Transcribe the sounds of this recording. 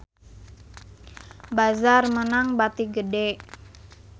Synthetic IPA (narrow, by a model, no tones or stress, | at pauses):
bazarmənaŋbat̪iɡəde